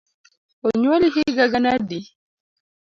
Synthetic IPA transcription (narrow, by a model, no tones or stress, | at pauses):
ɔɲolihiɡaɡanadi